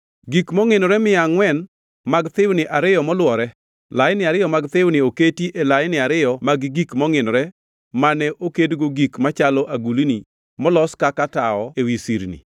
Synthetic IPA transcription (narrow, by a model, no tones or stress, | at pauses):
ɡikmɔŋɪnɔɾɛmɪaŋwɛn | maɡt̪ɪwnɪʔaɾɪjɔmɔlwɔɾɛ | lajɪnɪaɾɪjɔmaɡt̪ɪwnɪoketiʔelajnɪaɾɪjɔmaɡɡikmɔŋɪnɔɾɛ | manɛʔokedɡoɡikmat͡ʃalɔʔaɡulini | mɔlɔskakataɔewisiɾnḭ